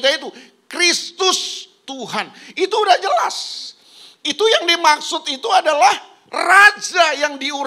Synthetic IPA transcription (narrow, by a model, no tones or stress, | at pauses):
d͡ʒait̪u | kɾist̪ʊst̪uhanit̪uːdahd͡ʒəlas | it̪ujaŋdimaksʊt̪it̪uadalah | rad͡ʒajaŋdiuɾ